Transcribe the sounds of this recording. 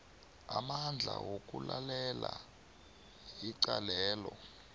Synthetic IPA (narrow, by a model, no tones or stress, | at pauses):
amand͡ɮʱawok̬ʼulalɛla | iǀalɛːlɔ